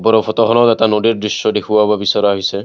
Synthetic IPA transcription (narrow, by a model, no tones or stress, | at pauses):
bɔɾɔpʰɔtɔɦɔnɔtɛtanodiɹdɹisjɔdekʰuwababisɔɾaɦisɛ